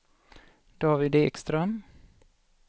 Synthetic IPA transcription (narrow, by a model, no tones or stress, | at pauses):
d̪̥ɑːvɪd̪eːkst̪ɾœm